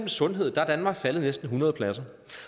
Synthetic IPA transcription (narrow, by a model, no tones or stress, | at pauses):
m̩sɔ̽nɦe̝ð̞̰ˠd̥ɑd̥ænmɑ̈ːɡ̥fæləð̩ˠnesd̥n̩ɦunɐð̞ˠpʰlæsɐ